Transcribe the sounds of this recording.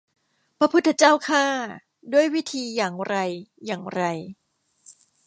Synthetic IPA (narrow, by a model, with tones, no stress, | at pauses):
pɾa˧pʰu˦˥t̪ʰːa˧t͡ɕaː˥˩wkʰaː˥˩ | du˥˩əjwi˦˥t̪ʰiː˧jaː˨˩ŋɾa˧jːaː˨˩ŋɾa˧j